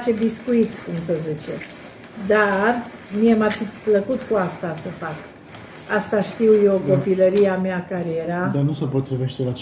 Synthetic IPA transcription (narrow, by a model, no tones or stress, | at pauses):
t͡ʃe̞biskuit̪sʲkumsəzit͡ʃe̞̰ | d̪ar | miemafipləkut̪kuast̪asəfak | ast̪aʃt̪iwjewko̞piləɾiameakaɾeje̞ɾad̪anusəpot̪ːɾiveʃt̪elat͡ʃ